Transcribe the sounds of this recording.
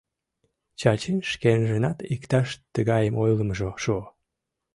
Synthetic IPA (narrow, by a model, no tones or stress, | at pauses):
t͡ɕɑt͡ɕenʃkenʒenɑt̪ikt̪ɑʃt̪əɣɑjəmojləməʒoʃuo